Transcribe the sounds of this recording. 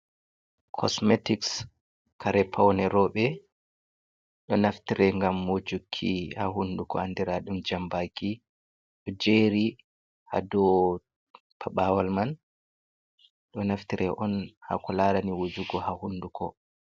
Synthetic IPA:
kʰɔ̰smetiks | kaɾɛpʰawnɛɾɔɓɛ | ɗɔnaftiɾɛŋɡamːod͡ʒukʰːḭhaɦundukɔ̰andiɾaɗumd͡ʒambaki | ɗɔd͡ʒeːɾi | ha̰dɔ | pʰaɓawalman | ɗɔnaftiɾʔɛʔɔnha̰kɔlaɾaniwod͡ʒuɡɔhahundukʰɔ̰

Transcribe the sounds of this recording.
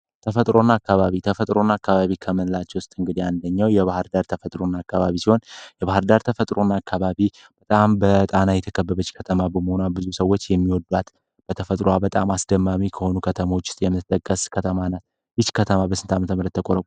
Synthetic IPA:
t̪ʰəfət̪ʼɾonːaakːaβaβit̪ʰəfət̪ʼɾo̞nːaakːaβaβikʰəmɨnlat͡ʃːɛwʊst̪ʼɨŋɡɨd̪iand̪əɲːawjɛβahɨɾd̪aɾt̪ʰəfət̪ʼɾo̞nːakːaβaβisiho̞njɛβahɨɾd̪aɾt̪ʰəfət̪ʼɾo̞nːaakːaβaβi | b̥ət̪ʼambət̪ʼanajɛt̪ʰəkʰəbːəβət͡ʃːkʰət̪ʰəmabəməho̞nabɨzusəwo̞t͡ʃːjɛmːiwɔd̪wat̪ | b̥ət̪ʰəfət̪ʼɾoabət̪ʼamasd̪əmːamikʰəho̞nukʰət̪ʰəmo̞t͡ʃːɪ̥st̪ʼjɛmːɨt̪ɨt̪ʼːəkʼːəskʰət̪ʰəmanat̪ | jɨt͡ʃːkʰət̪ʰəmabəsɨnt̪ʰamət̪ʰəmɾət̪ːʰəkʼoɾəkʼu

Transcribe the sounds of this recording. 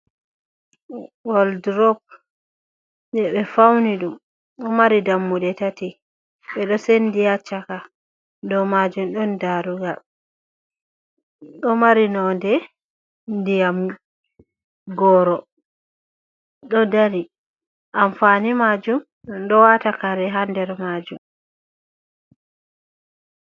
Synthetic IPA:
wɔldɾɔp̚ | jɛɓɛfawniɗum | ɗɔmaɾidamːuɗɛtati | ɓɛɗɔsendijat͡ʃːaka | dɔmad͡ʒumɗɔndaɾuɡal | ɗɔmaɾinɔndɛ | ndijam | ɡɔɾɔ | ɗɔdaɾi | ʔamfanimad͡ʒum | ɗɔwatakaɾɛɦandɛɾmad͡ʒum

